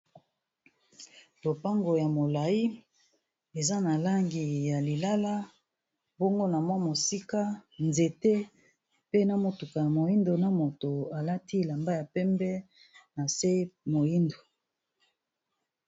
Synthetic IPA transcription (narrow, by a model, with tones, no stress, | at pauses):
lo˨pa˦ŋɡo˨ja˨mo˨la˨i˦ | e˨za˦na˨la˦ŋɡi˨ja˨li˨la˦la˦ | bo˦ŋɡo˦na˨mwa˦mo˨si˦ka˦nze˨te˦ | pe˦na˦mo˨tu˨ka˨ja˨mo˨ji˦ndo˨na˦mo˨to˨a˨la˦ti˦˨la˨mba˦ja˨pɛ˦mbɛ˦ | na˨se˦mo˨ji˦ndo˨